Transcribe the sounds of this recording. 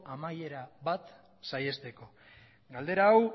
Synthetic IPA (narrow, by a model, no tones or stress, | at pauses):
amaje̞ɾaβat̪ | saje̞st̪e̞ko̞ | ɡald̪e̞ɾaːw